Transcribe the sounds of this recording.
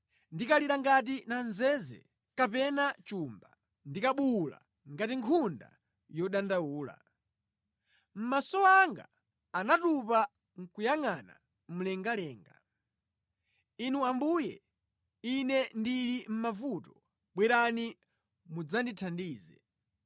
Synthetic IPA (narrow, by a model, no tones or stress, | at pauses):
ndikaliɾaŋɡat̬inanzɛzɛ̰ | kapɛnat͡ʃumba | ndikaɓula̰ | ŋɡatiŋkʰunda̰ | jɔɗandawuːla̰ | m̩masɔaŋɡa̰ː | natupa | ŋ̩kujaŋana̰ | m̩lɛŋɡalɛːŋɡa̰ | inuambujɛ̰ | inɛndilim̩mavutɔ̥ | ɓwɛɾani | mud͡zanditʰandiːzɛ̰